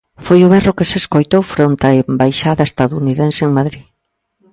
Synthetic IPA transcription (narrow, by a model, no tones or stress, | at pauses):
fojʊβɛrʊkɪseskojt̪owfɾont̪ɐembajʃaðɐest̪aðuuniðẽnseeŋmaðɾi